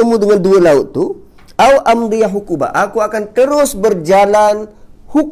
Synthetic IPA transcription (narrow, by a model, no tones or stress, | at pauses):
əmudəŋanduəlauʔt̪ːu | awʔamd̪iaɦukuba̰ʔakuakant̪əɾʊsbərd͡ʒalanhuk